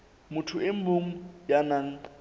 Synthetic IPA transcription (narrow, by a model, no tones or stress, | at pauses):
mʊtʰʊɪm̩boŋ̩janaŋ̩